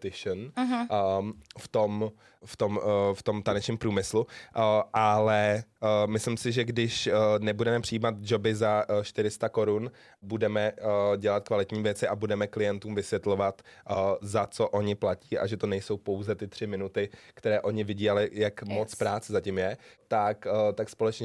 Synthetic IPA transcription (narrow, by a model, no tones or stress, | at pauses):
t̪ɪʃnɦ | ft̪o̞m | ft̪o̞mft̪o̞mt̪anɛt͡ʃɲiːmpɾuːmɪsluʔʔalɛmɪslɪmsɪʒɛɡdɪʃnɛbudɛmɛpr̥ɪjiːmat̪̚d͡ʒo̞bɪzaʃt̪ɪɾɪst̪ako̞ɾun | budɛmɛɟɛlat̪̚kvalɪt̪ɲiːvjɛt͡sɪʔabudɛmɛklɪjɛnt̪uːmvɪsvjɛt̪lo̞vat̪zat͡so̞ʔo̞ɲɪplaciːʔa̰ʒɛt̪o̞nɛjso̞wpo̞wzɛt̪ɪt̪r̥ɪmɪnut̪ɪkt̪ɛɾɛːʔo̞ɲɪvɪɟiːalɪjakmo̞t͡spɾaːt͡sɛzacɪmjɛt̪akt̪akspo̞lɛt͡ʃɲɛ